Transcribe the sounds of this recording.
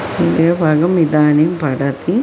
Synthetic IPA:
id̪eːbʱaɡɐmid̪aːnimpɐɽɐt̪i

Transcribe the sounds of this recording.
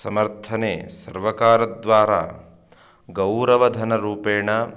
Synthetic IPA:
sɐmɐɾt̪ʰɐneːsɐɾʋɐkaːɾɐd̪ʋaːɾa̰ː | ɡɐwɾɐʋɐd̪ʱɐnɐɾuːpeːɳɐ

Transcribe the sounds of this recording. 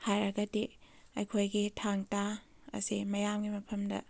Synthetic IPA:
hajɾɐɡɐdi | ɐ̰jkʰojɡitʰaŋta | ɐ̰simɐjamɡimɐpʰɐmdɐ̰

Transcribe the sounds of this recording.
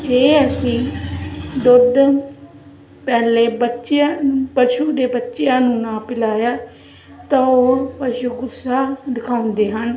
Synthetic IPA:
d͡ʒeːəsĩː | d̪ʊd̪ | pɛːleːbətːʃjapəʃuːd̪eːbətːʃɪjãːnũːnãːpɪlaːjaː | t̪ãoːpəʃuːɡʊsaːɖɪkʰaːʊ̃nd̪eːɦən

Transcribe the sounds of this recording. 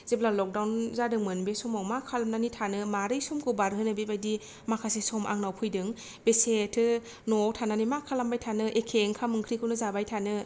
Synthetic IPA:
z̥eblalɔk̚dawnzadɯŋmɯnbesɔmawmakʰalamnanitʰanɯmaɾɯjsɔmkʰɯbaɾɦɯnɯbebajdi | makʰasesɔmʔa̰ŋnawpʰɯjdɯŋ | besetʰɯ | nɔtʰananimakʰalambajtʰanɯʔekʰeŋkʰamɯŋkʰɾikʰɯwnɯzabajtʰanɯ

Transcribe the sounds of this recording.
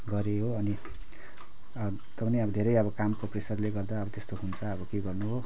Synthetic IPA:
ɡʌɾeɦoʌni | t̪ʌpʌneʌbʌd̪ʱeɾʌjʌbʌkamkopresʌrleɡʌrd̪aʌbʌt̪est̪oɦunt͡sʰʌːbʌkeɡʌrnuɦo

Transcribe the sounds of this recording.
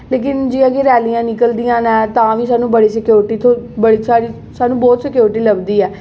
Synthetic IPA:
leːk̬ɪnd͡ʒiːãːɡeːɾɛːlijãːnɪkəld̪ijãːnɛ̃ːt̪ãːʋiːsaːnũːbəɽiːsɪkjoːɾɪʈiːt̪ʰobəɽiːsaːɾiː | saːnũːbɔːt̪sɪkjoːɾɪʈiːləbd̪iːɛː

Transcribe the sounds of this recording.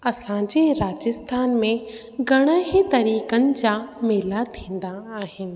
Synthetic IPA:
ɐsãd͡ʑeɾaːd͡ʑɪst̪ʰaːnmẽ | ɡʱɐɽ̃əɦĩt̪ɐɾiːkənɪ̆d͡ʑaːmeːlat̪ʰĩːn̆d̪aaːɦɪnɪ̆

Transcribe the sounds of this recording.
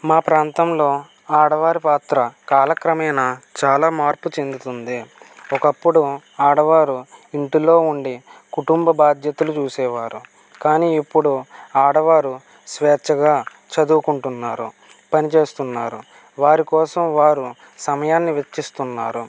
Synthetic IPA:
maːpɾaːnt̪ɐmlo̞ː | aːɽɐʋaːɾipaːt̪ɾɐkaːlɐkɾɐmɐjnaːt͡ʃaːlaːmaːɾput͡ʃe̞nd̪ut̪und̪iɔkɐpːuɽu | aːɽɐʋaːɾuiɳʈilo̞ːuɳɖikuʈumbɐbaːd̪jɐt̪ɐlut͡ʃuːsɛːʋaːɾu | kaːniːipːuɽuaːɽɐʋaːɾu | sʋɛːt͡ʃɐɡaː | t͡ʃɐd̪uːkuɳʈunːaːɾṵ | pɐnit͡ʃe̞ːst̪unːaːɾu | ʋaːɾikɔːsɐmʋaːɾu | sɐmɐjaːnːiʋet͡ʃːist̪unːa̰ːɾu

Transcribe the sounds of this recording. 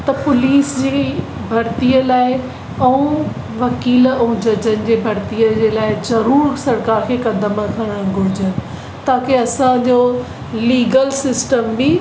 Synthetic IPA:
t̪ɐpʊliːsd͡ʑeː | bʱɐɾt̪iəlaːɪ | ɐũ | ʋɐkiːlɐ̃ũd͡ʑɐd͡ʑənɪ̆d͡ʑeːbʱɐɾt̪ijəd͡ʑeːlaːɪzɐɾuːɾsɐɾkaːɾkʰeːkɐd̪əməkʰãɾə̃ɡʱʊɾɪd͡ʑənɪ̆ | t̪aːkeɐsãd͡ʑo | liːɡəlsɪsʈəmbi

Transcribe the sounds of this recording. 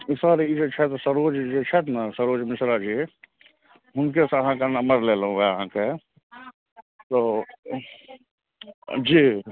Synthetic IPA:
ɪsaːɾeid͡ʒet͡ʃʰɛt̪osəɾoːd͡ʒd͡ʒet͡ʃʰɛt̪nasəɾoːd͡ʒmɪsɾad͡ʒi | ɦʊnk̬esɐɦãkanɐməɾleːlũɡeəɦãke | t̪oː | d͡ʒiː

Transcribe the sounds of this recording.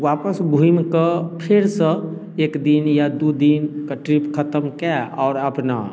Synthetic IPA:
waːpəsbʱuimkəpʰɪɾsə | ekd̪injad̪ud̪inkaʈɾipkʰət̪əmkɛɔːɾəpna̰

